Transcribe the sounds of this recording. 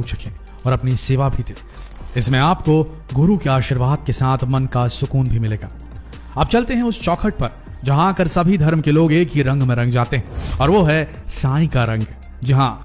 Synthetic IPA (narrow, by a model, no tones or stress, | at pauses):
ut͡ʃɐkʰẽː | ɔːɾɐpniseːʋabʱid̪eː | ɪsmẽaːpko | ɡʊɾukiaːʃɪɾʋaːd̪̚kesaːt̪ʰmɐnkasʊkuːnbʱimɪleːɡa̰ː | aːp̚t͡ʃɐlt̪eɦɛ̃ʊst͡ʃɔːkʰəʈ̚pɐɾ | d͡ʒɐɦãaːkəɾsɐbʱid̪ʱɐɾmkeloːɡeːkɦiɾɐ̃ŋɡmẽɾɐ̃ŋɡ̚d͡ʒaːt̪eɦɛ̃ɔːɾʋoɦɛsaːĩkaɾɐ̃ŋɡ | d͡ʒɐɦã